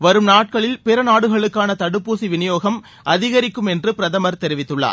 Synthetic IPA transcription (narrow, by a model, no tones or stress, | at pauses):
ʋɐɾɯmnaːʈ̚kɐɭɪlpɪɾɐnaːɽɯɣɐɭɯkːaːnɐt̪ɐɽɯpːuːsiʋɪnɪjoːɣɐm | ʔɐðɪɣɐɾɪkːɯmɛndrɯpɪɾɐðɐmɐɾt̪ɛɾɪʋɪt̪ːɯɭːa̰ːɾ